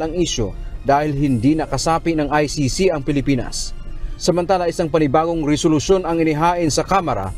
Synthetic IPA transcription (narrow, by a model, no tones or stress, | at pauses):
ɐŋʔiʃo̰d̪aːhɪlɦɪnd̪inɐkɐsaːpɪnɐŋajsisiʔɐŋpɪlɪpiːnɐ̰sːɐmɐnt̪aːlaʔɪsaŋpɐnɪbaːɡoŋɾɛsolʊʃjo̞nɐŋɪnɪɦaːʔɪnsɐkaːmɐɾa̰